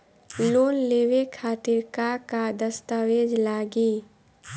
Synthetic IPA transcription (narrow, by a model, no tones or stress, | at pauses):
loːnleːʋekʰaːt̪ɪɾkakad̪əst̪aːʋeːd͡ʒlaːɡiː